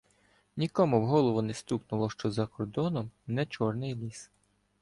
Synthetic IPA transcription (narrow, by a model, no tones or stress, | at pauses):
nʲikɔmʊwɦɔlˠɔʋʊnɛst̪uknʊlˠɔʃt͡ʃɔzɐkɔrd̪ɔnɔmnɛt͡ʃɔrnɪjlʲis